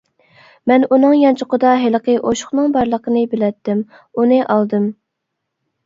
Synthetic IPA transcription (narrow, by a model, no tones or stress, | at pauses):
mɛnunɨŋjɑnt͡ʃʰʊqəd̪ɑɦɪlqəʔoʃʊ̥χnɨŋbɑɾlˠəqʰənɨbɪlɛt̪ːɪm | unɨʔɑlˠd̪ɨm